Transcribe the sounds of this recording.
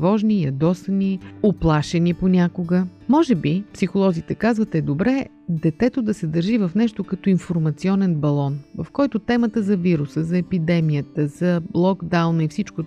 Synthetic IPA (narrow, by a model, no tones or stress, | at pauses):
vɔʒnijɐd̪ɔsnioplˠaʃɛniponʲakoɡəmɔʒɛbipsixolˠɔzit̪ɛkazvət̪ɛd̪obɾɛ | d̪ɛt̪ɛt̪od̪ɐsɛd̪əɾʒivɐfnɛʃt̪okɐt̪ɔinfoɾmɐt̪siɔnɛnbɐlˠɔnvɐfkɔjt̪ʊt̪ɛmət̪əzɐviɾusəzɐɛpid̪ɛmijət̪əz̥ɐblˠɔɡd̪awnifsit͡ʃko